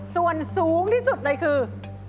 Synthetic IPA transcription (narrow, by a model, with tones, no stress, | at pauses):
su˧ənsuː˨˦ŋt̪ʰiː˧˥˩su˨˩t̪̚ləː˧jkʰɯː˧